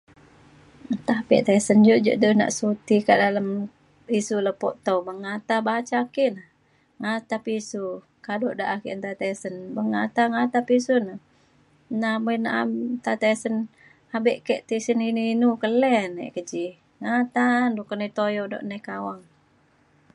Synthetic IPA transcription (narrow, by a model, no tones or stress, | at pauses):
t̪apḭʔt̪ɛsənd͡ʒuʔd͡ʒa̰ʔdona̰ʔsut̪ika̰ʔdaləm | isuləpɔʔt̪owbəŋat̪abat͡ʃakiʔna | ŋat̪apisu | kaduʔdaʔakḭʔnt̪at̪esənbəŋat̪aŋat̪apisuna | namənaʔat̪at̪esən | abəʔkəʔt̪isənininukəlɛnḛʔkəd͡ʒi | ŋat̪andukənəjt̪ojodo̰ʔnəjkawaŋ